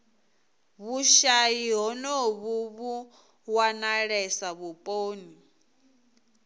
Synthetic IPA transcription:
βuʃajiɦɔnɔβuβu | wanaɺɛsaβupʼoːni

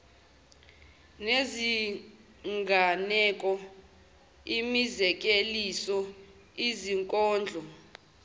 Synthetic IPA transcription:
nezi | ŋɡʱanɛkʼɔ | imizɛk̬ʼelisɔ | iziŋkʼɔːnd͡ɮʱɔ

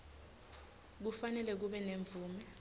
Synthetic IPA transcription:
k̬ufanɛlɛk̬uɓɛneɱb̪vʱuːmɛ

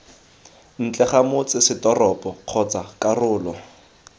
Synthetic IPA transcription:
n̩t͡ɬʼɛχamʊt͡sɪsɪdɔrɔpʼɔq͡χʰɔt͡sakʼarʊːlɔ

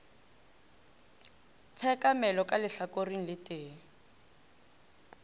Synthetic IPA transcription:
t͡sʰɛkamɛlɔkalɪɬakoriŋ̩lɪtʼeː

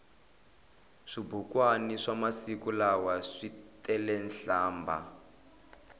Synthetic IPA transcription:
ʂibukwaniʂamasikulawaʂitɛlɛnɬaːmba̰

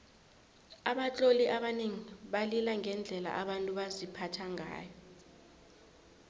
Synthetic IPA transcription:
aɓat͡ɬʼoliʔaɓaneŋiɓalilaŋɛnd͡ɮʱɛla̰ʔaɓantʼuɓazipʰatʰaŋa̰ːjɔ

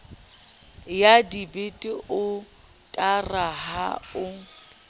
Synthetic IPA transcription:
jadibetʼɪʔʊ | tʼaraɦa̰ʊ

